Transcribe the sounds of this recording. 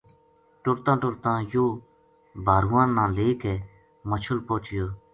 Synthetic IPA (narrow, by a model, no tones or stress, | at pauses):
ʈʊɾt̪ãːʈʊɽt̪ãːjoː | bʱaːɾʊːãːnːãːleːkeː | mət͡ʃʰʊlpoːt͡ʃjoː